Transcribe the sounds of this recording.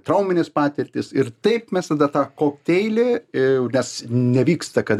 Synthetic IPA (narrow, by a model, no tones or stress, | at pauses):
t̪ɾɐʊmʲɪnʲɪspɑːt̪ʲɪrʲt̪ʲɪsɪrt̪ɐɪpmʲɛst̪ɐd̪ɐt̪ɑːkoːkʲt̪ʲɛɪlʲɪnʲɛsnʲɛʋʲiːkst̪ɐkɐt̪